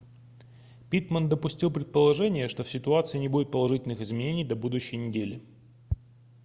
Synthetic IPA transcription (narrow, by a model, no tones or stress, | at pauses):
pʲit̪mənd̪əpʊsʲtʲilˠpɾʲɪt̪̚pəlˠɐʐɛnʲɪjəʂt̪o̞fsʲɪt̪ʊat̪sɨjənʲɪbudʲɪt̪pəlˠɐʐɨtʲɪlʲnɨxɪzmʲɪnʲenʲɪjd̪ɐbud̪ʊɕːɪjnʲɪdʲelʲɪ